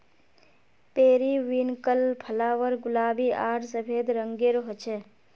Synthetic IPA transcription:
peːɾiʋiːnkəlpʰəlaːʋəɾɡʊlaːbiːʔaːʈsəpʰeːd̪ɾəŋɡeːɾɦət͡ʃʰɛ

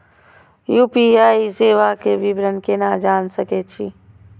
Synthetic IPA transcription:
juːpiaːiseːʋakeʋɪbɾənkenad͡ʒaːnsəket͡ʃʰi

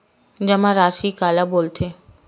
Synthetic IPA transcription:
d͡ʑɛmaɾaʃikalabolt̪ʰe

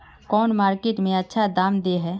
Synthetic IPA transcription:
kɔːnmaːɾkeːʈmẽɐtːʃʰad̪aːmd̪eɦɛː

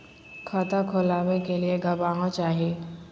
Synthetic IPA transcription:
kʰɔt̪akʰʊlaːʋekelieɡʱɐbaːɦõt͡ʃaːɦieː

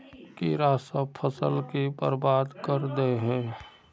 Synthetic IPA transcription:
kiɾaːsapʰəsəlkipə̰ɾbaːd̪kəɾd̪eeɦɛ̃ː

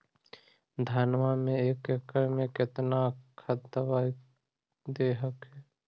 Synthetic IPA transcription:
d̪ʱaːnʋamẽeːkekəɾmẽkɪt̪nakʰəd̪əwaːi | d̪eːɦəkɦɛː

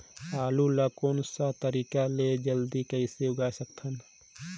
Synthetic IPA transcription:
aːlulakoːnsat̪əɾiːkaled͡ʒəld̪ikəiseʊɡaːjsəkt̪ʰən

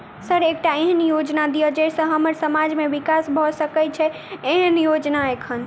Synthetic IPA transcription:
səɾek̚ʈaeɦənjod͡ʒnad̪ijəd͡ʒesəɦəməɾsəmad͡ʒmeʋikasbʱɔsəkɛt͡ʃʰɛ | eɦənjod͡ʒnaekʰən

